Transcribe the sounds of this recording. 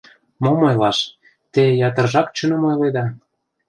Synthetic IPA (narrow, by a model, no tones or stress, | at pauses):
momojlɑʃ | t̪ejɑt̪ə̆rʒɑkt͡ɕə̆nomojled̪ɑ